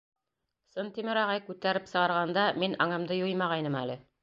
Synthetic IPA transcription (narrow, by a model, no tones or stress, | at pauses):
sɤnt̪imɘɾɑʁɑjkʉt̪æɾɘpsɤ̆ʁɑɾʁɑnd̪ɑminʔɑŋɤ̆md̪ɤjujmɑʁɑjnɤmælɘ